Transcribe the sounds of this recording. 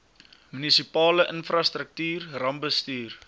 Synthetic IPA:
mynisipɑːləʔənfrɐst̪rək̚tyːrrɐmbəstyːr

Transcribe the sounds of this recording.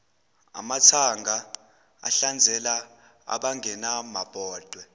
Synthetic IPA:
a̰mat͡sʰaŋɡʱa | a̰ɬand͡zʱɛla | a̰ɓaŋɡʱɛnamab̥ʱɔːtwɛ

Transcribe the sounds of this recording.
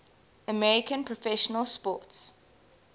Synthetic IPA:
əmɛɹikə̃npʰɹɔfɛʃənəlˠspɔˑts

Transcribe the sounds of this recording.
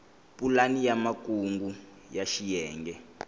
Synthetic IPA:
pulanijamakuŋɡu | jaʃijɛːŋɡɛ

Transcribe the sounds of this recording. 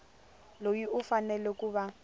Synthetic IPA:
lojiʔʊfanɛlɛkʼuba

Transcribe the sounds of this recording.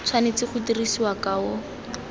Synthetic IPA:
t͡sʰwanet͡sɪχʰʊtirisiwakaʊ

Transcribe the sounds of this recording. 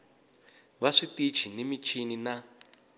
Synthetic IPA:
βaʂitit͡ʃʰinemit͡ʃʰinina

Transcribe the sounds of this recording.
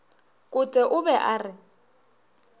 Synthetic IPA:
kʼʊtʼɛʔʊbɛʔaːrɪ

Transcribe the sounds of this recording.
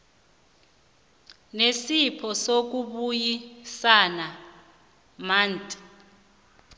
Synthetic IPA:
nesipʰɔsok̬uɓujisana | maːntʼi̥

